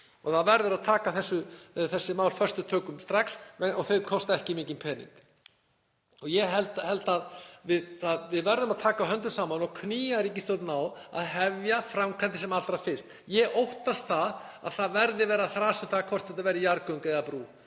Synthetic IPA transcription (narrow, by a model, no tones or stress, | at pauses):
ɔɣθaðvɛɾðʏɾaðt̪ʰaːkaθɛsːʏθɛsːɪmaːwlfœr̥st̪ʏt̪ʰœːkʏmst̪ɾaksɛɔθœɥkʰɔst̪ɛhcɪmiːcɪnpʰɛːnḭŋk | ɔɣjɛɦɛlt̪hɛlt̪aðvɪðθaðvɪðvɛɾðʏmaðt̪ʰaːkaɦœnt̪̬ʏsaːmanɔkʰniːaɾiːc̬ɪst̪owt̪nawa̰ðɦɛvjafɾamkʰant̪ɪsɛmalt̪ɾafɪst̪ | jɛɣowht̪ast̪θaða̰ðθaðvɛɾðɪvɛːɾaθɾaːsʏmθaɣakʰɔr̥t̪ɛt̪avɛːɾɪjaɾkœŋkɛðapɾuː